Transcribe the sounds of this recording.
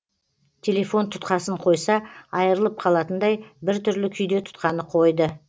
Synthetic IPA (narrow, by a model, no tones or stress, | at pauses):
t̪ʲʰe̞lʲe̞fo̞nt̪ʰʊ̥t̪qɑsəɴqʰo̞jsɑɑjəɾəlˠəp̚qʰɑlˠɑt̪ənd̪ɑjbɪɾt̪ʰʏɾlɪkʲʰʏjd̪e̞t̪ʰʊ̥t̪qɑnəqʰo̞jd̪ə